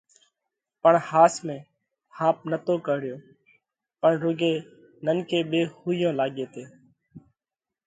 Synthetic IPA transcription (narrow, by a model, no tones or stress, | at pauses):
pəɳhaːsmẽː | hãːp̚nət̪oːkəɦɽɪjoː | pəɳɾʊɡeː | nənkeːɓeːhuːɪjõːlaːɠeːt̪eː